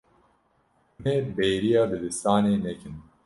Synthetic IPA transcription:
uneːbeːɾijɑːbɨd̪ɨst̪aːneːnɛkɨn

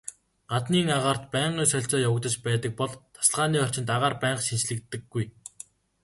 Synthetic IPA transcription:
ɢ̥at̪niːŋaʁaːr̥t̪pæːɴɢiːsœɬʲt͡sɔːjawə̆k̚t̪ə̆t͡ɕpæːt̪ə̆k̚pɔɮt̪ʰḁsə̆ɮʁaːniːɔr̥t͡ɕɪ̆nt̪aʁaːrpæːɴqʃint͡ɕɮɘ̆k̚t̪ːɘ̆ɡːuj

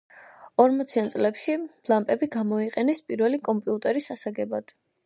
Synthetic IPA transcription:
ɔɾmɔt̪sʰiant̪sʼlɛpʃiblˠampʼɛbiɡamɔiqʼɛnɛspʼiɾvɛlikʼɔmpʼiut̪ʼɛɾisasaɡɛbad̪̥

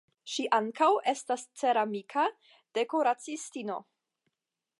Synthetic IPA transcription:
ʃiʔaŋkawe̞stast͡se̞ɾamikʰa | d̥e̞ko̞ɾat͡sistino̞̰

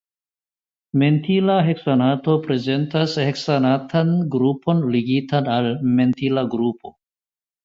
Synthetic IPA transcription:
me̞ntilaɦeksanato̞pɾe̞ze̞ntasheksanatʰanɡɾupʰo̞nliɡitanalme̞ntilaɡɾupʰo̞

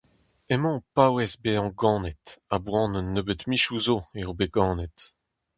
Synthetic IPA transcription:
emɑ̃pawɛsbeɑ̃ɡɑ̃ːnɛt̪abwɑ̃ːnnːøbət̪miʃuzoeobeɡ̥ɑ̃ːnɛt̪

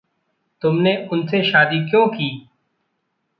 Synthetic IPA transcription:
t̪ʊmneʊnseʃaːd̪ikjõːkiː

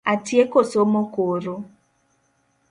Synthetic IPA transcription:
atiekosomokoɾo

